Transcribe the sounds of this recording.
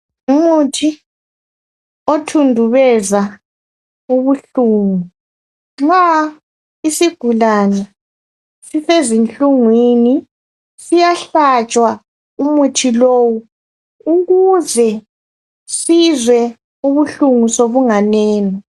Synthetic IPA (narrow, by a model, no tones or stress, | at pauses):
umutʰi | otʰundʱuβɛza | uβuɬuːŋu | ŋ͡ǀa | isiɡ̥ʱulanɛ | sifezint͡ɬʼuŋwini | sijaɬat͡ʃʼwa | umutʰiloːwu | uɣuzɛ | sizwɛ | uβuɬuŋusoβuŋanɛːnɔ